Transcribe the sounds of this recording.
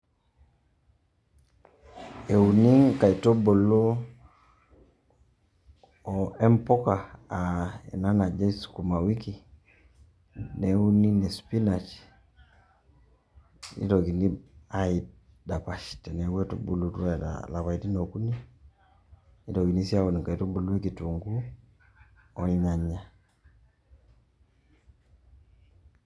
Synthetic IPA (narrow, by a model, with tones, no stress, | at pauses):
e˨u˨ni˦ŋka˨i˨to˦bo˨lo˦ | o˨ɛ˦mpo˦ka˨a˨ɛ̰˨na˦na˨d͡ʒa˦i˦su̥ku˨ma˨wi˦ki˨ | ne˨u˦ni˦ne˨spi˦na˨t͡ʃ | nḭ˦tɔ˨ki˨ni˦a˦i˨ | da˨pa˨ʃtɛ˨nɛ˨wɛ˦to̰˨bṵ˨lu˨tu˦a˦˨ta̰la˨βa˨i˨ti˦no˨ku˦ni˦ | ni˦tɔ˨ɡi˨ni˦si˦a˦o˨ni˨ka˨i˨tu˦bu˦lu˦ɛ˦ki˨tu˨ŋɡu˦ | ɔ˦i˦ɲa˨ɲa˨